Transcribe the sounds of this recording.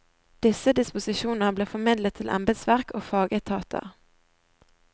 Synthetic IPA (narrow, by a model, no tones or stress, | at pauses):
d̪̥ɪsəd̪ɪspʊsɪʃuːnnəbleːfɔmɪd̪lət̪ʰːɪlʔɛ̰mbəd̪sʋæʁkoːfɑːɡət̪ʰɑːt̪ʰə̰